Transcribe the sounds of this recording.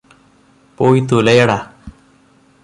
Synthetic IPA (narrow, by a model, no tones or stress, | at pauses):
poːjit̪̬ulɐjɐɽa